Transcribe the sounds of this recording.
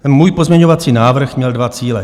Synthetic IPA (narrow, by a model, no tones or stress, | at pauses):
muːjpozmɲɛɲovat͡siːnaːvr̩xmɲɛldvat͡siːlɛ